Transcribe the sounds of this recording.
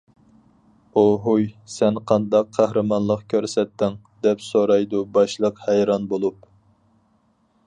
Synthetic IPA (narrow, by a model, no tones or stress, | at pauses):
oɦujsɛnqʰɑnd̪ɑqʰːæhɾɨmɑnlˠəqkʲʰøɾsɛt̪ːɪŋ | d̪ɛpsoɾɑjd̪ubɑʃlˠəqhɛjɾɑnbolˠup